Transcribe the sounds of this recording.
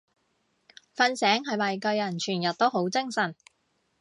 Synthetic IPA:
fɐ˧nsɛː˨˥ŋɦɐ˨jmɐ˨jkɐ˧ɥjɐ˨˩nt͡ʃʰyː˨˩njɐ˨t̚t̪o˥wɦo˨˥wt͡sɪ˥ŋsɐ˨˩n

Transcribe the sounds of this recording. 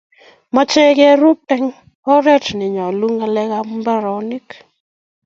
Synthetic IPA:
mɔ˦t͡ʃɛ˦kɛ˦ɾu˦tɛ˦ŋ | ɔ˦ɾɛ˦˨tnɪ˨ɲɔ˨lu˦ŋa˦lɛ˦ɣa˦m˦ba˦ɾɔ˨˦nɪ˦k

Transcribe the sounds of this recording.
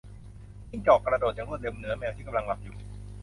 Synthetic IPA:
ji˥˩ŋt͡ɕɔː˨˩kːɾa˧doː˨˩t̪̚t͡ɕa˧ŋɾu˥˩t̪̚le˧mnɯ˩˦ɐmɛː˧wt̪ʰiː˥˩ka˧mla˧ŋla˦˥p̚juː˨˩

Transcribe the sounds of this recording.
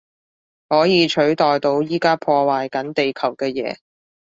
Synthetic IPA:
hɔː˨˥jiː˨˧t͡ʃʰɵ˨˥ɥt̪ɔː˨jt̪o˧wjiː˥kaː˥pʰɔː˧waː˨jkɐ˨˥nt̪e˨jkʰɐ˨˩wkɛː˧jɛ̰ː˨˧˥

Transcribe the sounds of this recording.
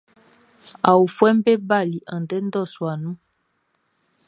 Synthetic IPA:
a˨wu˨fwɛ˦m˦bɛ˦ba˦˨li˨ʔa˨n˨dɛ˦n˦dɔ˦˨swa˨nu˦

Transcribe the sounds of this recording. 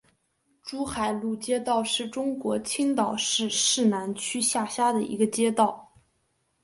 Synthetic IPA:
ʈ͡ʂu˥xa˨˩ɪlu˥˩t͡ɕjɛ˥t̪ɑ˥˧ʊʂɻ̩˥˩ʈ͡ʂʊ˥ŋkwɔ˧˥t͡ɕʰi˥ŋt̪ɑ˨˩ʊʂɻ̩˥˧ʂɻ̩˥˩na˧˥nt͡ɕʰy˥ɕja˥˩ɕja˥d̪ə˨ḭ˧˥ɡə˧t͡ɕjɛ˥t̪ɑ˥˩ʊ

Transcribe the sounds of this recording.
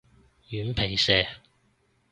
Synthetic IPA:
jyː˨˥npʰe˨˩jsɛː˧

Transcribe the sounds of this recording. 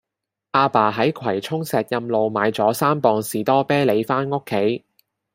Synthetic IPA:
ʔaː˧paː˨ɦɐ˨˥jkʰwɐ˨˩jt͡sʰʊ˥ŋsɛː˨t̚jɐ˧mlo˨wmaː˨˧jt͡sɔː˨˥saː˥mpɔː˧ŋsiː˨˩t̪ɔː˥pɛː˥le˨˧jfaː˥nŋʊ˥kʰːe˨˥j

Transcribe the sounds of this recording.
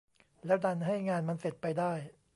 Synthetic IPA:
lɛː˦˥wda˧nɦa˥˩jŋaː˧nma˧nse˨˩t̪̚pa˧jdaː˥˩j

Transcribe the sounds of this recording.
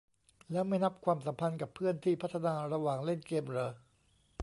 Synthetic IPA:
lɛː˦˥wma˥˩jna˦˥p̚kʰwaː˧msa˩˦mpʰa˧nka˨˩pʰːɯ˥˩ənt̪ʰiː˥˩pʰa˦˥t̪ʰːa˧naː˧ɾa˧waː˨˩ŋle˥˩nkeː˧mɾɤː˧˩

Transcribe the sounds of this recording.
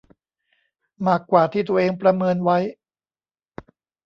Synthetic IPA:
maː˥˩kːwaː˨˩t̪ʰiː˥˩t̪u˧ɐ˧ʔeː˧ŋpɾa˧mɤː˧nwa˦˥j

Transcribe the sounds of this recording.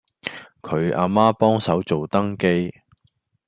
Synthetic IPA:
kʰɵ˨˧ɥʔa̰ː˧maː˥pɔː˥ŋsɐ˨˥wt͡so˨wt̪ɐ˥ŋke˥j

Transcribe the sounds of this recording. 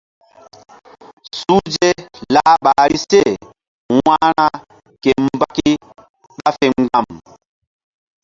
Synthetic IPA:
su˦d͡ʒe˦laː˦ɓaː˨ɾi˦se˦˨ | waː˦ɾa˦ | ke˨mba˦ki˦ | ɓa˦fe˨ŋɡa˦˨m

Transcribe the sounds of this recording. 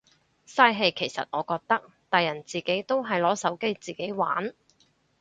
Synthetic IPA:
saː˧jɦe˨˧jkʰe˨˩jsɐ̰˨t̚ŋɔː˨˧kɔː˧k̚t̪ɐ˥k̚ | t̪ɐ˨jɐ˨˩nt͡siː˨ke˨˥jt̪o˥wɦɐ˨jlɔː˨˥sɐ˨˥wke˥jt͡siː˨˩ke˨˥jwa̰ː˨˥n

